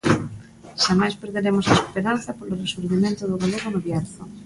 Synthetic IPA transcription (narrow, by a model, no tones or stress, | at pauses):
ʃamajspeɾðeɾemosaespeɾanθapoloresuɾβimẽnt̪oðoɣaloɣonoβjaɾθo